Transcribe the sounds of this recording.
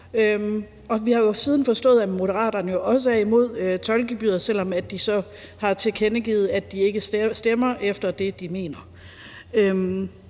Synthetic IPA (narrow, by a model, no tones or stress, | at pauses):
øm | ɒ̽ʋihɑ̈jo̝siːð̞ˠn̩fɒ̽sd̥ɔ̰̽ːðˠæmo̝ɾəʁɑ̰̈ːd̥ɐnəjo̝ʔɒ̽s̬əæɐimo̝ð̞̰ˠøt͡sʰɒ̽lɡ̥ib̥y̰ːɐsel̰ɒ̽mæd̥isɒ̽ | hɑ̈t͡sʰe̝kʰenəɡ̥ḭːð̩ˠæd̥̚ie̝ɡ̥əssd̥emɐʔefd̥ɐd̥e̝d̥ime̝̰ːnɐ | øm